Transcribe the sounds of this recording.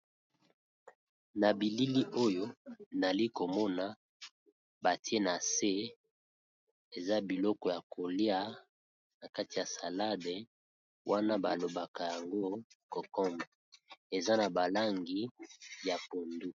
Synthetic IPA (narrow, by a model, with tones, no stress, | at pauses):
na˨bi˨li˦li˦ʔo˦jo˦na˨li˦ko˨mɔ˦na˨˦ | ba˨ti˦e˦na˨se˦ | e˨za˦bi˨lɔ˦kɔ˨ja˨ko˨li˦a˦ | na˨ka˦ti˨ja˨sa˨la˦de˨ | wʔa˦na˦ba˨lo˨ba˨ka˨ja˨ŋɡo˦kɔ˨kɔ˦mbɔ˨e˨za˦na˨ba˨la˦ŋɡi˦ja˨po˨ndu˦